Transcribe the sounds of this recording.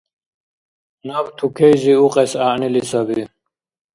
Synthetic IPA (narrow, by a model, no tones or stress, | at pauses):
nabt̪ʰukʰɛjziuqʼɛsaːʔnilisabi